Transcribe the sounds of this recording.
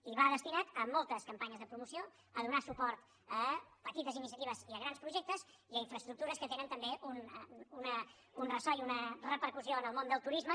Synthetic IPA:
iβaðəst̪inat̪əmːɔlˠt̪əskəmpaɲəzðəpɾumusio | əðunasupɔɾt̪ | əpət̪it̪əzinisiət̪iβ̞əziəɣɾanspɾuʒɛk̚t̪əz | iəiɱfɾəst̪ɾuk̚t̪uɾəskət̪enənt̪əmbeʔununə | unrəsɔjunərəpəɾkusioənəlˠmond̪əlˠt̪uɾizmə

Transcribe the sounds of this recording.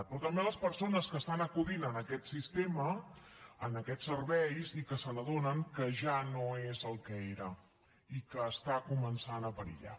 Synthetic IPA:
pɾɔt̪əmbeləspəɾsonəskəst̪anəkuðinənəkɛt̪sist̪emə | ənəkɛtsːərβɛjzikəsələðonəŋkəʒanoezəlˠkəeɾə | ikəːst̪akumənsanəpəɾḭʎa̰

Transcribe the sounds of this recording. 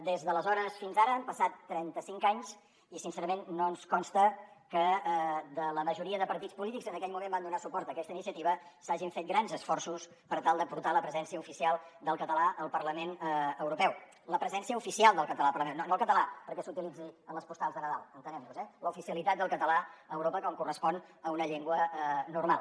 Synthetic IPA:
d̪ezðələzɔɾəsfinzaɾəːmpəsat̪ːɾɛnt̪əsiŋkaɲs | isinsɛɾəmenːoənskɔnst̪əkəd̪ələməʒuɾiəðəpəɾt̪it͡spulit̪iɡzənəkɛʎmumẽmband̪unasupɔɾt̪əkɛst̪əinisiət̪iβəsaʒiɱfet̪̚ɡɾanzəsfɔrsus | pəɾt̪alˠd̪əpuɾt̪aləpɾəzɛnsiəufisialˠd̪əlˠkət̪əlaəlˠpərləmenəwɾupɛw | ləpɾəzɛnsiəufisialˠd̪əlˠkət̪əlapəɾlmennonoəlˠkət̪əlapəɾkɛsut̪ilid͡ziənləspust̪alˠzðənəða̰lˠənt̪ənɛmnuzɛləufisiəlit̪at̪̚d̪əlˠkət̪əlaəwɾopəkɔŋkurəspɔnəunəʎeŋɡwənurmalˠ

